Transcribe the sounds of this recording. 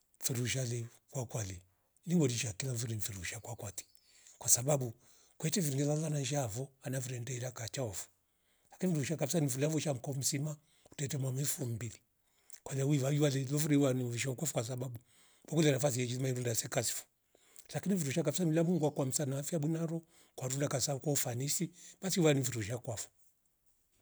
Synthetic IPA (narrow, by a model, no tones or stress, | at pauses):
fiɾuʃ̬alɛ | kwakwalɛ | liŋɡɔdiʃakilaɱviɾiɱfiɾuʃakwakwati̥ | kwasababu | kwɛtɛviɾiŋɡɛzalananʒavɔanaviɾɛndɛiɾakat͡ʃaɔfu̥ | lakiniɱɾuʃakabisanivulavuʃam̩kɔm̩sima | u̥tɛtɛmwamɛfum̩bili | kwalauiwajiwalɛlɔfuɾiwaniviʃ̬aukwafɔkwas̬aɓaɓu | bɔkulɛnafasiɛd͡ʒizimaiɾundasɛkasi̥fɔ̥ | lakiniviɾuʃakavisanilamuŋɡwakwam̩sanaafiaɓwinaɾɔ | kwaɾundakasakwaufanisiɓasiuwaniviɾuʃakwafɔ̥